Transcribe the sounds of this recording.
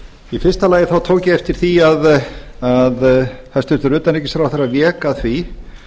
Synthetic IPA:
ifɪrst̪alaːjɪθawt̪ʰoːwcɪɛft̪ɪɾ̥θiaðaðθast̪ʏnt̪ʏɾʏːt̪anejcːɪsfɾawθɛɾavjɛːkaðθvi

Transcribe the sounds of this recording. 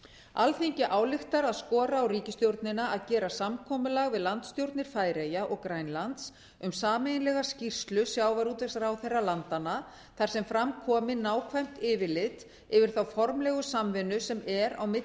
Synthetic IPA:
alθiɲcɪʔaːwlɪxt̪aɾaðskɔːɾaːwɾiːcɪst̪jowɾt̪nɪnaaðcɛːɾasamkʰɔːmʏlaɣvɪðlant̪st̪jowɾt̪nɪɾ̥faːjɾejaʔɔɣkɾajnlant̪s | ʏmsaːmɛjnlɛɣascir̥st̪lʏsjaːwvaɾuːt̪vɛsaɾawθejrːalant̪ana | θaɾ̥sɛmfɾamkʰɔːmɪnaːwkʰvajm̥t̪ɪːvɪlɪt̪ | ɪvɪɾ̥θawfɔɾmlɛɣʏsamvɛnʏsɛmɛɾawmɪ

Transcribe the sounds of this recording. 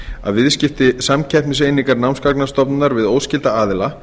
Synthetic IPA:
a̰ðvɪðscɪft̪ɪsamcʰɛhpnɪsejniŋkaɾnawnskaknḁst̪ɔpnʏnaɾvɪðoːwscɪlt̪aaːðɪla

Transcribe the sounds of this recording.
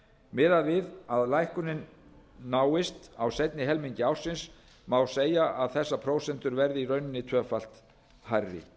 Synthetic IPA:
mɪːðavɪðaðlajhkʏnɪnː | aːwɪst̪awsɛjt̪nɪɦɛlmiɲcɪawr̥sɪns | mawseːjaʔaðθɛsːapʰɾoːwsɛnt̪ʏɾvɛɾðɪirœːɥnɪnːɪt̪ʰœːfal̥t̪ | harːɪ̰

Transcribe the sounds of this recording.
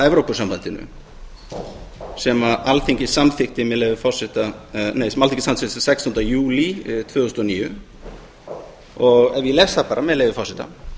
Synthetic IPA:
ɛvɾowpʏsampant̪ɪnʏ̰ | sɛmaʔalt̪ʰeɲcɪsamθɪxt̪ɪmɛðlejvɪfɔr̥sɪht̪anejsɛmalʰẽɲcɪsamθɪh̪sɛkst̪ɔnt̪ajuːlit̪ʰv̥œːʏst̪ɔniːjʏ | ɔɣɛvjɪlɛsapaːɾamɛðleːjvʏfɔɾsɪht̪a̰

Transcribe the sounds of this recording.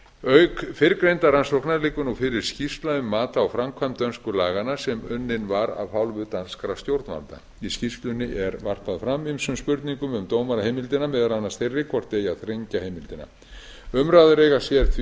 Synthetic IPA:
œɥkfɪɾkɾejnt̪aɾansohknaðlɪːkʏnɔfɪɾɪɾ̥scist̪laʏmːaːt̪aːwfɾamkʰvamt̪œnskʏlaːɣanasɛmʏnːɪnvaɾa̰ðfawlvʏðt̪anskɾawst̪jowɾt̪nva̰lt̪a̰ | iscist̪lʏnːɪʔɛɾvar̥t̪aðfɾamːimsʏmspʏɾt̪niŋkʏmʏmt̪oːwmaɾahejmɪlt̪ɪnamɛðaɾanːast̪ejrːɪkʰvɔr̥t̪eːjaðθɾejɲcahejmɪlt̪ɪna̰ | ʏmɾaðʏɾejɣasjɛɾ̥θʰ

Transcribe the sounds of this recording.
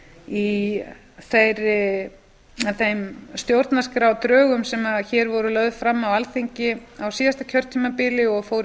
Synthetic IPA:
i | θejɾːɪ | θejmst̪jowɾt̪naskɾawt̪ɾœːɣʏmsɛmaðçɛːɾvɔɾʏlœɥðfɾamːawalθeɲcɪawsiːðast̪acʰœɾt̪ʰiːmapɪlɪɔɣfowɾ

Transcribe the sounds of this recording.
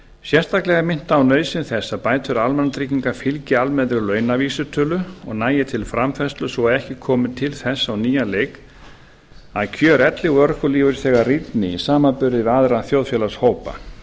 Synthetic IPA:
sjɛr̥st̪aklɛɣamɪn̥t̪aːwnœːɥsɪnθɛsːapaːjt̪ʰʏɾalmɛnat̪ɾiciŋkafɪlcɪalmɛðɾʏlœːɥnaviːsʏt̪ʰœːlʏɔɣnaːjɪt̪ʰɪlfɾamfɛst̪lʏsɔɛɾɛhcɪkʰɔːmɪt̪ʰɪlθɛsːawniːjaleːjk | aðcʰœːɾɛt̪lɪɣœɾkʏliːvʏɾθɛːɣarit̪nɪisaːmapʏɾðɪðaðɾaθjowðfjɛlashoːwpa̰

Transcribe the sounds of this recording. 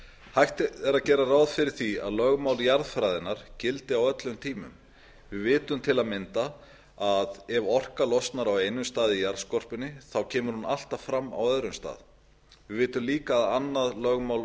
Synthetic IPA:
hajht̪ɪɛɾacɛːɾaraːwðfɪɾɪɾ̥θia̰ðlœɣmawljaɾðfɾajðɪnaɾ̥cɪlt̪ɪawœt̪lʏmt̪ʰiːmʏ̰m | vɪvɪːt̪ʏmt̪ʰɪlaðmɪnt̪a | aðɛvɔr̥kalɔst̪naɾawejnʏmst̪aːðɪijaɾðskɔr̥pɪnːɪθawcʰɛːmʏɾ̥hunal̥t̪avfɾamːa̰wœðɾʏmst̪a̰ːð | vɪðvɪːt̪ʏmliːkaːðanːaðlœɣmawl

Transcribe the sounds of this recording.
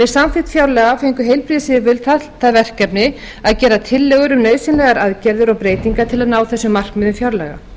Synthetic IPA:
ɛ̥samfɪt̪fjawɾlɛɣafejŋkʏɦejlpɾiðsɪðɪvɪlt̪ʰal̥t̪θaðvɛr̥kɛpnɪ | aðcɛːɾat̪ʰɪlːɛːɣʏɾʏmnœːɥsɪnlɛɣaɾaðcɛɾðʏɾɔɣpɾeːjt̪iŋkat̪ʰɪlaðnaːwθɛsːʏmar̥kmɪðʏmfjawɾlɛ̰ɣa̰

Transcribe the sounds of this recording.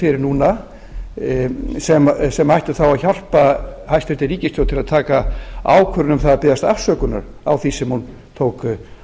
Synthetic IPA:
fɪɾɪɾnuːna | sɛmsɛmajht̪ʏθawaðçal̥pahajst̪vɛɾ̥t̪ɪɾiːcɪst̪ʰjowt̪ʰɪlaðt̪ʰaːkaa̰ːwkʰœɾnʏmθaðapɪːðast̪a̰fsœːkʏna̰ɾ | a̰wθisɛmhun | t̪ʰoːwkʏ

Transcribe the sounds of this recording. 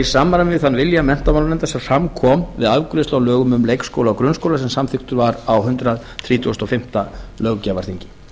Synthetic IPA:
isaːmːaɾanvɪðθanːvɪljamɛn̥t̪amawlɾnɛnt̪asɛfɾamkʰɔːmvɪðavkɾɪst̪awlœːɣʏmʏmlejkskowlaɔkɾʏnskowlasɛmsamθʏxkt̪ʏɾvaɾawɦʏnt̪ɾað | θɾiːt̪ʰuʏst̪ɔfɪm̥t̪alœɣcavaɾ̥θiɲcɪ

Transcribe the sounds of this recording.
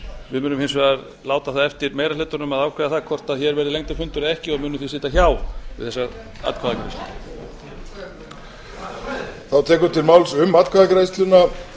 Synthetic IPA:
vɪðmʏːnʏmhɪnsvɛðaɾ | laːwt̪aθaðɛft̪ɪɾmeːjɾalʏːt̪ʏɾnʏmaðawkʰvɛːðaθaðkʰɔr̥t̪aðçɛɾvɛːɾɪlejŋt̪afʏnt̪ʏɾɛhcɪɔɣmʏːnʏθisɪːt̪açaːwvɪðθɛsːa | a̰t̪̚kʰaðakɾḛjst̪l | θawt̪ʰɛːkʏɾt̪ʰɪlmawlsʏmat̪kʰvaðakɾejst̪lʏna

